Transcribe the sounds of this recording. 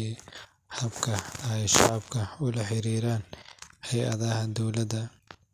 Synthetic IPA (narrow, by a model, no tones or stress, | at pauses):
hɐbkʰɐjʃɑʕbkʰɐʊlɐħɪɾiːɾaːnhɛjʔɐðɐɦɐd̪ɔwlɐd̪ɐ